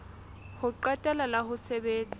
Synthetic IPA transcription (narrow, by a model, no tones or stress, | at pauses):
hʊǃatʼalalahʊsɛbeːt͡sʼi